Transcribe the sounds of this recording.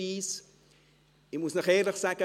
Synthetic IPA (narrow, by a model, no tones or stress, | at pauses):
is | imusnəχeːrdəχsɛkə